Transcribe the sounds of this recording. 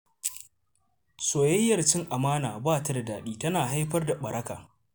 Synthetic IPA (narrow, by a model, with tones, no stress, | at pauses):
soː˨jɐ˦jːɐ˨rt͡ʃɪ˦ŋʔa˨maː˦naː˨baː˦˨ta˦da˨daː˨ɗiː˦tɐ˦naː˨ɦa˦jɸɐ˦rda˨ɓɐ˨ɽʔɐ˦ka̰ː˨